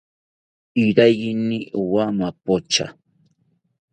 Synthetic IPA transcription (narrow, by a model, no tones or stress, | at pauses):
iɾajɡiniʔuwamapot͡ʃa̰